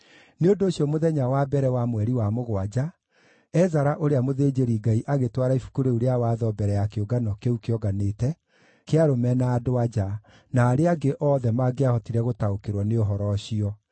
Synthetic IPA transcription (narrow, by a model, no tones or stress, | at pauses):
neondoːɕjɔmoðɛɲawabɛɾɛwamwɛɾiwamoɣwad͡ʑa | ɛzaɾaʔoɾeamoðeːd͡ʑeɾiɡaiʔaɣetwaɾaifu̥kuɾeuɾeawaðɔbɛɾɛjakeoɡanɔkeukeɔɡanetɛ | keaɾomɛnaːdoad͡ʒa | naːɾeaɡeʔɔːðɛmaɡeahɔtiɾɛɣotaokeɾwɔneoɦɔɾɔɕiɔ